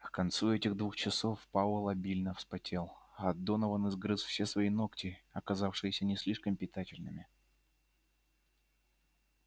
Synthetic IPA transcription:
kkɐnt̪suɛtʲɪɣd̪vuxt͡ɕɪso̞fpalˠəlˠɐbʲilʲnəfspɐtʲelˠɐd̪ːo̞nəvənɨzɡɾɨsfsʲesvɐino̞ktʲɪɐkɐzafʂɨjɪsʲənʲɪsʲlʲiʂkəmpʲɪt̪atʲɪlʲnɨmʲɪ

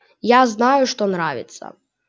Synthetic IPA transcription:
jaznajʊʂt̪ɔnɾaʋʲɪ̰t̪sɐ̰

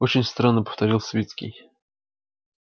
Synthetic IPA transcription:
ot͡ɕɪnʲst̪ɾanːəpə̥ft̪ɐɾʲilˠsvʲet̪skʲɪ̰j

